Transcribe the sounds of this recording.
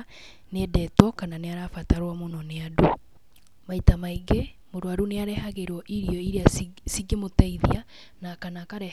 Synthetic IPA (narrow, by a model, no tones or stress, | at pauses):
nedɛtɔkananeaɾafataɾwamonɔneadu | maitamaiɡemoɾwaɾuneaɾɛhaɣeɾwɔʔiɾiɔiɾeasiɡemotaiðia | nakanakaɾɛ